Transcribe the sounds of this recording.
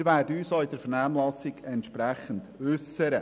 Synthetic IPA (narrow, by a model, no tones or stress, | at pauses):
ɾʋæːɾdəyːsɔːid̥əɾfɛɾnæːmlɑsɪɡ̥ɛntʃpɾæχənd̥ʏsəɾə